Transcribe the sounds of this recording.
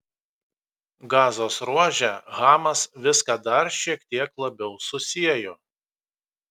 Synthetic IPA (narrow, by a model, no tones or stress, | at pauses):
ɡɑːzoːsɾuɔʒʲɛɣɑːmɐsʋʲɪskɑd̪ɐɾʃʲiɛkt̪ʲiɛklˠɐbʲɛʊsʊsʲiɛjoː